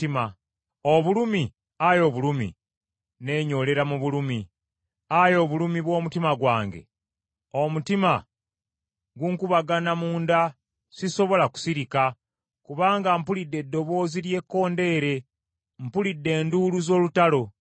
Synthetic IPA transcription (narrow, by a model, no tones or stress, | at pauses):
ima | oβulumi | ajo̞βulumḭ | ne̞ːɲo̞le̞ɾamuβulumi | ajo̞βulumiβwo̞ːmutimaɡwaːŋɡe̞̰ | omutima | ɡuŋkuβaɡanamuːnda | siso̞βo̞laku̥siɾika | kuβaːŋɡampulidːe̞dːo̞βo̞ːziɾje̞kːo̞ːnde̞ɾe̞ | mpulidːe̞ːnduːluzo̞ːlutalo̞